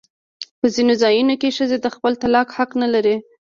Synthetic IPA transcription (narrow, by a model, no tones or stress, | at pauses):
pəzinozɑjunokeʃəzed̪əxpəlt̪alɑkhaknalaɾe